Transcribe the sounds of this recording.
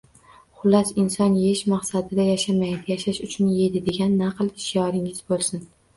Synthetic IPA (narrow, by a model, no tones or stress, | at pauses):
χʊlːasɪnsɒnjeɪʃmɑqsad̪ɪd̪ajaʃamajd̪ɪjaʃaʃʊt͡ʃʰʊnje̞d̪ɪd̪e̞ɡʲanːaqɨlˠɪʃjɒɾɪŋɪz̥bolˠsɪn